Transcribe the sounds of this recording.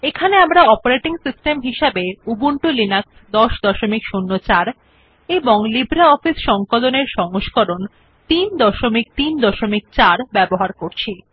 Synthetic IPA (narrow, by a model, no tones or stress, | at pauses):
ekʰaneamɾaɔpoɾeʈiŋsisʈemɦiʃabeubuɳʈulinaksd̪ɔʃd̪ɔʃomikʃunːot͡ɕaɾ | eboŋlibʱɾaɔfisʃɔŋkoloneɾʃɔŋoʃkoɾon | t̪ind̪ɔʃomik̚t̪ind̪ɔʃomik̚t͡ɕaɾbɛboɦaɾkoɾt͡ɕʰi